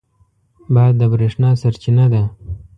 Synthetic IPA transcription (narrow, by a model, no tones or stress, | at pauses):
bajd̪ːəbɾeʂnɑːsaɾt͡ʃinad̪a